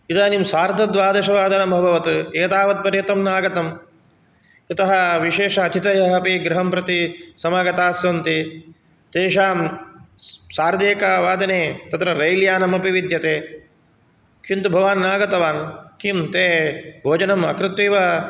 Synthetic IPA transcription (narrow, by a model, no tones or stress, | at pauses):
id̪aːnimsaːɾd̪ʱɐd̪ʋaːd̪ɐʃɐʋaːd̪ɐnɐmɐbʱɐʋɐt̪ueːt̪aːʋɐt̪̚pɐɾjeːt̪ɐmnaːɡɐt̪ɐm | it̪ɐɦɐʋiʃeːʃɐːt̪ʰit̪ɐjɐɦɐpiɡɾɐɦɐmpɾɐt̪isɐmaːɡɐt̪aːsʋɐnt̪i | t̪eːʃaːm | saːɾd̪eːkaːʋaːd̪ɐneːt̪ɐt̪ɾɐɾɐjljaːnɐmɐpiʋid̪ʱjɐt̪eː | kʰint̪ubʱɐʋaːnnaːɡɐt̪ɐʋaːnkimt̪eːbʱoːd͡ʒɐnɐmɐ̰kɾɪt̪ʋiːʋa